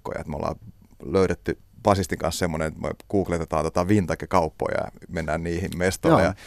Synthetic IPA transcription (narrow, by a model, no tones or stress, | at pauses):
kːo̰jɑ̰ḛt̪mo̰lːɑ̰ː | løyɾet̪ːy | b̥ɑsist̪iŋkɑ̰nssemːonenet̪mḛkuːklet̪et̪ɑːnt̪ot̪ɑʋint̪ɑkikɑupːo̰jɑ̰ɑ̰menːæːnniːhimmest̪olḛjɑ